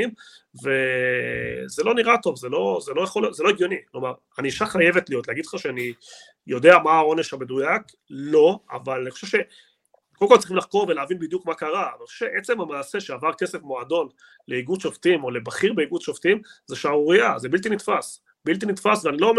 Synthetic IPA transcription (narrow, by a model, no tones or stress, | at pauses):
im | ve̞ | zelo̞niʁat̪o̞vzelo̞zelo̞jaχoljotzelo̞eɡjo̞niklomaʁ | aniʃaχaje̞vet̪lijo̞t̪leaɡid̥̪lχaʃeani | jo̞d̪e̞amaːo̞ne̞ʃabed̪ujak | lo̞a̰valaniχo̥ʃevʃe̞ | kolkoltt͡sʁiχimlaχko̞ʁvelaːvinbid̪jukmakaʁanixoʃeʃeʔet͡se̞mamaːse̞ʃeavaʁke̞sefmoad̪o̞n | le̞iɡud̪ʃoft̪imo̞lebaχiʁbeiɡud̪ʃoft̪imzeʃamuʁiazebilt̪̬initfas | bilt̪̬init̪fasveanilo̞ːm